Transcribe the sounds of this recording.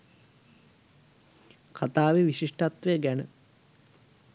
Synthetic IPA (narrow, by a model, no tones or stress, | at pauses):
kʰat̪aːʋeʋiʃiʂʈat̪ʋejəɡænə